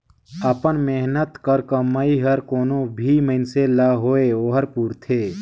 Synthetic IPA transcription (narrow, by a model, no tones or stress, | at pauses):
əpənmeɦnət̪kəɾkəmːaːiɦɐɾkoːnõbʱiməɪnselaɦoːeoːɦəɾpuːɾt̪ʰeː